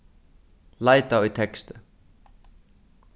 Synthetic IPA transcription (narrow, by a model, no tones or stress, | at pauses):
laːjt̪awit̪ʰɛkst̪ʏ